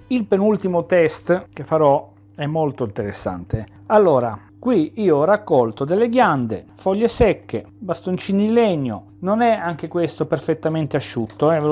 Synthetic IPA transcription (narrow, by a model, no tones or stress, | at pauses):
ilpenult̪imot̪ɛst̪k̟efːaɾɔ | ɛmːolt̪oint̪eɾesːa̰nt̪e | alːoːɾa | kwiiːoɔrakːɔlt̪od̪elːeɡjand̪ḛfɔʎːesɛkːe | bast̪ont͡ʃiːnid̪ileɛɲːo̰ | nonɛaŋk̟ekwest̪operfet̪ːament̪eaʃːut̪ːoɛv